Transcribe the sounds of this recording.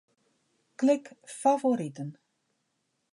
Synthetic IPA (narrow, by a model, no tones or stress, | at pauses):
klɪkfavoɾitən